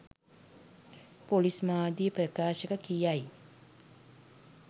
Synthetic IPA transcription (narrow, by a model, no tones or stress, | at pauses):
polismaːd̪ijəprəkaːʃəkəkijaj